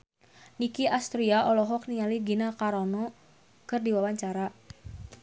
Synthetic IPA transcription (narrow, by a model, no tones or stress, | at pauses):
nikiʔast̪ɾiaʔɔlɔɦɔknialiɡinakaɾɔnɔ | kɨrdiwawaɲt͡ʃaɾa